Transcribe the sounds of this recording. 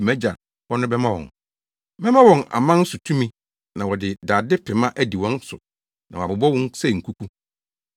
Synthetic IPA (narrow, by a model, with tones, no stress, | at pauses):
mɛ̃˦d͡ʑa˨ | wɔ˦nʊ̃˦bɛ˦mã˦wɔ̰̃˨n | mɛ̃˦mã˦wɔ̃˨na̰˨mã˦n̩˦sʊ˨tʰũ˦mĩ˦ | nã˨wɔ˨dɪ˨daː˨dɪ˦pʰɪ˨mã˦ʔæ˦di˨wɔ̃˦n˦sʊ̰˨ | nã˨a˨bʊ˨bɔ˦wɔ̃˦n˦sɛ˦˨ŋ̩˨kʰu˦kʰu˦